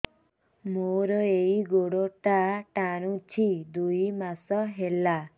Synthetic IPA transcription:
moɾɔeiɡoɽoʈaʈaɽ̃ũt͡ʃʰid̪ujmasɔɦela

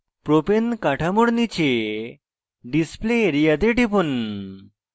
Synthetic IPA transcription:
pɾopenkaʈʰamoɽnit͡ɕʰe | ɖispleɾijad̪eʈipun

